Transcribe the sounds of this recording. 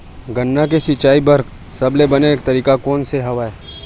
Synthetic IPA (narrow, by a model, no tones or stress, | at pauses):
ɡənːak̬esɪt͡ʃaːibɐɾk | sɐblebɐneːkt̪ɐɾiːkakɔːnseɦɐʋaːe